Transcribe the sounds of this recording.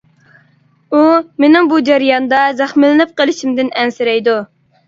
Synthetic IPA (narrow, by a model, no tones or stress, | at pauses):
umenɪŋbud͡ʒæɾijɑnd̪ɑzæχmɪlɪnɪp̚qəlˠɪʃimd̪ɪnɛnsɪɾɛjd̪u